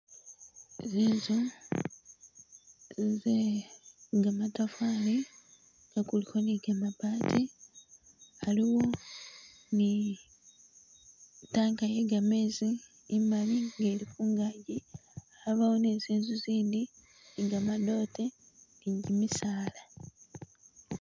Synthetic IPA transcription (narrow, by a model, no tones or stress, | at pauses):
zizu | ze | ŋɡamatafaːli | ɡakulihoniɡamabaːtʰi | aliwo̞ | ni | taːŋkajeɡame̞ːziː | maliŋɡe̞ːlikuːŋɡaɟiaβawoneziːnzuziːndi | niɡamado̞te | niɲɟimisaːla